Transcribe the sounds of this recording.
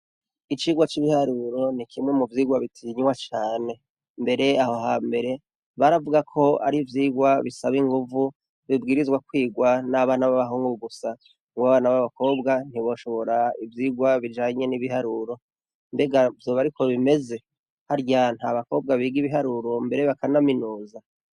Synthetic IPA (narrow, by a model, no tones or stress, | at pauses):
it͡ʃiːɡwat͡ʃiβihaɾuɾo̞nikʰimŋe̞muvjiːɡwaβitʰiɲwat͡ʃaːne̞ | mbe̞ɾe̞aho̞ɦaːmbe̞ɾe̞ | βaɾavuɡakʰo̞a̰ɾivjiːɡwaβisaβiŋɡuvu | βibɡiːɾizwakwiːɡwanaβaːnaβaβaɦuːŋɡuuɡusa | ŋɡuβaβaːnaβaβako̞ːbɡan̥iβo̞ʃo̞βo̞ɾaivjiːɡwaβid͡ʒaːɲe̞niβiɦaɾuɾo̞ | mbe̞ɡavjo̞ːβaɾikʰo̞βime̞ze̞ | haɾɟan̥haːβako̞ːb̚ɡaβiːɡiβiɦaɾuɾo̞mbe̞ɾe̞βakanaminuːza